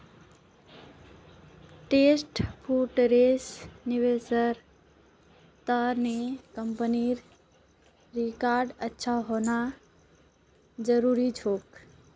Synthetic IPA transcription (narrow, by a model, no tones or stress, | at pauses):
ʈeːsʈpʰuːʈɾeːsnɪʋesəɾ | t̪anekəmpəniɾ | ɾikaːɾɖətːʃʰaɦoːna | d͡ʒəɾuːɾit͡ʃʰoːk